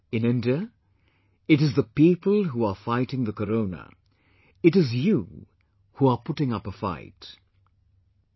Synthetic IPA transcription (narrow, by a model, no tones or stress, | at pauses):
ɨ̃nɪ̃ndiə | ɨɾɨzðəpiːpəlˠɦuəfaɪtɪ̃ŋðəkəɾõʊ̃nə̰ | ɨɾɪzju | huəpʰʊʈɪ̃ŋʌpəfa̰ɪt